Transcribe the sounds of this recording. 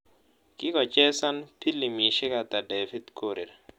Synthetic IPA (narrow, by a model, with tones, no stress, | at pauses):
kɪ˦kɔ˨t͡ʃɛ˦sa˦npi˦li˨mi˨ʃɪ˦ka˨t̪a˨dɛ˨fi˦t̪kʰo˦ɾe˨ɾ